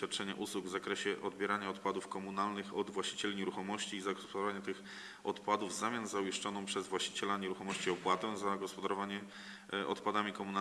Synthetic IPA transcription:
jat̪̚t͡ʂɛɲa̰ʔuswuɡvzakɾɛɕɛʔɔd̪bʲjɛɾaɲaɔt̪pad̪ufkɔmunalnɘxɔd̪vwaɕt͡ɕi̥t͡ɕɛlʲiɲɛɾuxɔmɔɕt͡ɕiːzaɡɔspɔd̪aɾɔvaɲat̪ɘx | ɔt̪pad̪uvzamʲjasnzauiʂt͡ʂɔnɔ̃w̃pʂɛzvwaɕt͡ɕi̥t͡ɕɛlaɲeɾuxɔmɔɕt͡ɕiɔpwat̪ɛ̃zaɡɔspɔd̪aɾɔvaɲɛ | ʔɔ̰t̪pad̪amʲikɔmuna

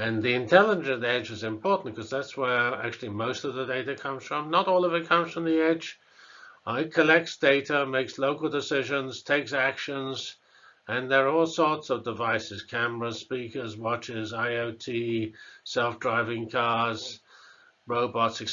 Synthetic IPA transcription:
ɨ̃nðiɨ̃ntʰɛlˠəd͡ʒɨ̃ðɛd͡ʒɨzɨ̃mpʰɔɹʔn̩kʰʌzðætswə˞æ̰k̚t͡ʃʉl̩ˠimoʊstʌvðɨdeɪɾɨkʰʌ̃mz̥fɹʌ̃mnəɾɔlˠəvɨt̚kʰʌ̃mz̥fɹʌ̃mðiɛ̥d͡ʒ | ɪt̚kʰəlɛk̚tsd̥eɪɾəmeɪksloʊkl̩ˠdɨsɪʒɨ̃nz̥tʰeɪksækʃə̃nz | ɨ̃nðə˞ɔlˠsɔɹtsʌvdɨvaɪsɨz̥kʰæmə˞əspikə˞zwɑt͡ʃɪzaɪoʊtʰisɛlˠfdɹaɪvɪ̃ŋkʰɑɹz̥ | ɹoʊbɑtsɨk

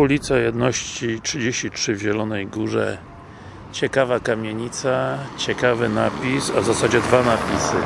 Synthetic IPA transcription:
ulʲit̪sajɛd̪nɔɕt͡ɕitʂɘd͡ʑeɕt͡ɕitʂɘvʑɛlɔnɛjɡuʐɛ̰ | t͡ɕɛkavakamʲjeɲit̪sat͡ɕɛkavɘnapʲisa̰vzasad͡ʑɛd̪vanapʲisɘ̰

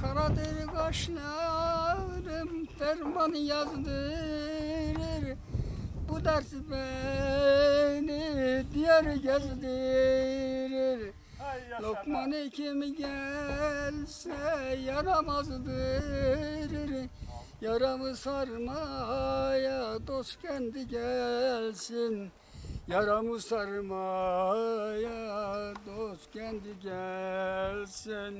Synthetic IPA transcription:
kʰɑɾɑd̪eɾiɡɑʃnɛld̪ɯmt̪æɾmɑnjɑzd̪ɯ | ɾiɾ | bud̪æɾsbɛ | nid̪ijɛɾɡʲæzd̪i | ɾiɾ | lokmɑnikʰimiɡʲæ | lsɛjɑɾɑmɑzd̪ɯ | ɾiɾ | jɑɾɑmɯsɑɾmɑɦjɑd̪oscʰɛnd̪iɡælʲsin | jɑɾɑmɯsɑɾmɑ | jɑd̪oskʰʲænd̪iɡʲæ | lsin

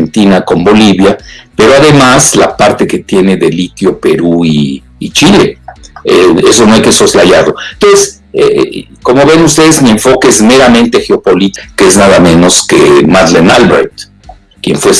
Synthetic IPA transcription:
ent̪inako̞mbo̞liβjape̞ɾoaðe̞maslapaɾt̪e̞ke̞t̪je̞ne̞ðe̞lit̪jo̞pe̞ɾuiː | t͡ʃileeeso̞no̞ejkeso̞slaʝaɾlo̞nt̪o̞nses | ḛko̞mo̞βe̞nust̪e̞ðezmie̞ɱfo̞keezme̞ɾamẽ̞nt̪e̞xeo̞po̞lit̪keeznaðamẽ̞no̞ske̞maðlenalβɾḛt̪ | kje̞̰nfwes

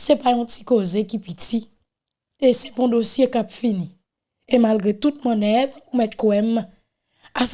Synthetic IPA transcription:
sɛpajɔ̃ti̥kozekipiti | esɛ̥pɔ̃d̪osjekapfini | emalɡʁet̪ut̪̚mɔ̃nɛvumɛt̪̚koɛmː | as

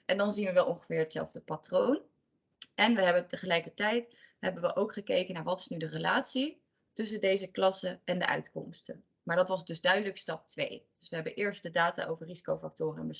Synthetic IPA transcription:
ʔɛndɑnzinʋəʋɛlˠʔɔŋχəvɪːɹətsɛ̰lˠvdəpatrown | ɛnʋəɦɛbətəχəlɛjkəɹtɛjtɦɛbənʋəʔowkχəkejkənaːɹʋɑtɪ̥snydərəlaːtsi | tɵs̬əndejzəklɑsəʔɛndə̰ʔœ̰ɥtkɔ̰mstən | maːɹdɑtʋɑzdɵzdœɥdələkstɑp̚tʋḛjd̥ɵsʋəɦɛbəʔɪːɹst̚dədaːta̰ʔowvəɹrizi̥kowfak̚tʊːrəɛ̰nʋə

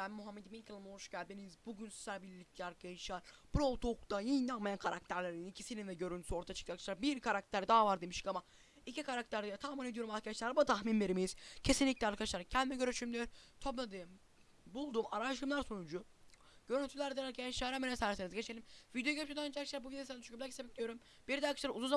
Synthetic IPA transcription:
bænmuɦamːed̪iminkʰɯlˠɯmoʃɟælʲd̪inizbuɟynsi̥sæɾbilʲlʲːic̚lʲaɾkʰaʃaɾb̥uɾolˠt̪ʰukd̪ajinːanmajankʰaɾak̚t̪ʰæɾlʲeɾininicʰisininvɛɟø̞ɾynt̪y̥sio̞ɾt̪ʰaat͡ʃʰɯ̥k̪akɯʃaɾbiɾkʰaɾak̚t̪ʰæɾd̪aːvaɾd̪emiʃɯkama | icʰikʰaɾak̚t̪ʰæɾd̪ɛt̪ʰamined̪ijo̞ɾumaɾkʰad̪at͡ʃlˠaɾbuat̪ʰaxminveɾimiz̥cʰe̞sinlʲiclʲɛaɾkʰad̪aʃlˠaɾɯkcʰɛnimɛɟø̞ɾyʃymd̪ʲeɾt̪ʰoblˠad̪ɯm | bulˠd̪umaɾaʃɯmlˠaɾsonud͡ʒu | ɟ̥ø̞ɾynt̪ʰylʲæɾd̪elæɾkʰenʃaːɾamesæɾsenizɟe̞t͡ʃʰelʲimvid̪ejoɡøɾpt͡ʃʰed̪ɛnd͡ʒɛkʃʲæɾbuvid̪josænd̪t͡ʃʰy̥cʰyblæaci̥sebɛcd̪ʲijoɾum | b̥iɾd̪aɾkʰɯ̥ʃˠaɾmuzunza

